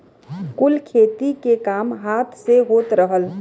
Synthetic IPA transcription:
kʊlkʰeːt̪ikekaːmɦaːt̪ʰseɦoːt̪ɾəɦəl

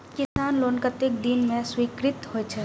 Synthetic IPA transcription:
kɪsaːnloːnkət̪ek̚d̪inmẽswiːkɾɪt̪hoɛt͡ʃʰɛ

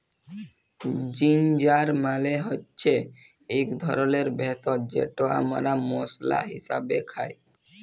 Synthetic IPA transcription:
d͡ʑind͡ʑaɾmaleɦotːɕʰe | ekd̪ʱɔɾoleɾbɛt̪ɔd͡ʑḛʈoa̰maɾamosla̰ɦḭsabekʰae

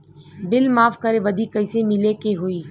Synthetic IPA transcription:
bɪlmaːfkəɾeʋəd̪ʱiːkəɪsemɪlekeɦoiː

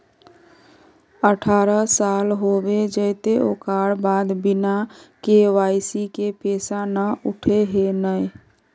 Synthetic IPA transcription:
əʈʰaɾəsalɦobed͡ʒəɪt̪eʔokaɽbad̪binakeʋaɪsikepesanəuʈʰeɦenəj

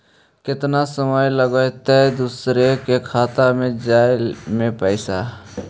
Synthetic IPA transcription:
kɪt̪nasəməjləɡəjt̪ed̪uːsɾekekʰaːt̪amẽd͡ʒaːɪlmẽpəɪsa

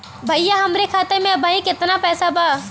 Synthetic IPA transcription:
bʱɐjjaɦɐmɾekʰaːt̪eɾmẽɐbʱaːĩkɪt̪napɛːsabʱaː

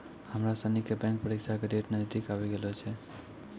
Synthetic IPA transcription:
həmɾasənikebɛ̃ŋk̚pəɾikt͡ʃʰakeɾeʈnəd̪ikabɛɡelɔt͡ʃʰɛ

